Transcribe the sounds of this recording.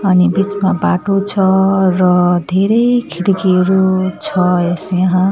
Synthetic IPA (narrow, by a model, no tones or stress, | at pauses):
ʌnibit͡smabaʈot͡sʰʌrʌd̪ʱeɾʌjkʰiɽikeɾot͡sʰʌesjʌɦã